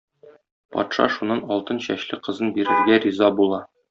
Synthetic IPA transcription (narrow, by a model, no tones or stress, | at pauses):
pɒ̰t̪ʃɑ̰ʃunːɑnɒlˠt̪ɤnɕæɕlɘqɤ̆zɤnbiɾɘ̆ɾɡæɾizɑbulˠɑ